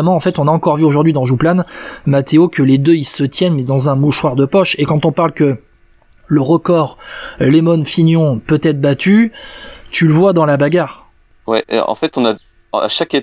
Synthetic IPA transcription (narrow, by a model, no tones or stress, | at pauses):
mɑ̃ːfɛt̪ɔ̃naɑ̃kɔʁvyoʒuʁd̪ɥid̪ɑ̃ʒuplanmat̪ʰeokʲəled̪øilsət̪jɛnmɛd̪ɑ̃zɛ̃muʃwaʁd̪əpɔʃekɑ̃t̪ɔ̃paʁlkə | ləʁəkɔʁlemɔnfinjɔ̃pøt̪ɛt̪χbat̪ʰy | t̪ʰyləvwad̪ɑ̃labaɡʲaʁ | wɛ̰ʔɑ̰̃fɛt̪ɔ̃na | a̰ʃake